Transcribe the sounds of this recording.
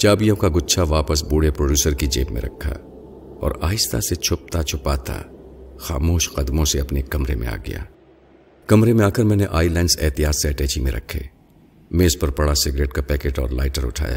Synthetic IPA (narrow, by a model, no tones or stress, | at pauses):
t͡ʃaːbijõkaɡʊt̪ːʃʰaʋaːpəsbuːɽepɾoːɖjuːsəɾkid͡ʒḛːpmḛ̃ɾʔɐ̰kʰːa̰ | ɔ̰ːɾaːjɪst̪a̰set͡ʃʰʊp̚t̪at͡ʃʰʊpaːt̪ʰa̰xa̰ːmoːʃqɐd̪mõseɐpnekːɐmɾemḛ̃a̰ːɡɐ̰ja̰ː | kɐmɾemẽaːkəɾmɛ̃ːneʔaːilaːnzɛːt̪ijaːt̪seɛʈɛːt͡ʃimẽɾʔɐ̰kʰːḛː | meːzpɐɾpɐɽasɪɡɾeːʈkapɛːkeːʈɔːɾla̰ːɪʈəɾʊ̰ʈʰa̰ːja̰ː